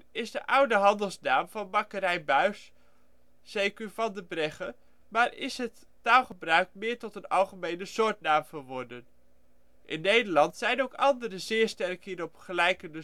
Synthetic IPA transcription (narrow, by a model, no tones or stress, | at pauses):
ɪsdəʔʌwdəɦɑndəlˠsnaːmvɑnmɑkəɾɛjnbœɥs | z̥ejkyvɑndəbrɛχə | maːɹɪ̰sɦətːaːlˠχəbrœɥkmɪːɹtɔtənɑlˠχəmejnəsʊːɹtnaːmvəɹʋɔɹdən | ʔɪnːejdəlɑntsɛjnowkɑndəɾəzɪːɹstɛrkhiːɾɔpχəlɛjkəndə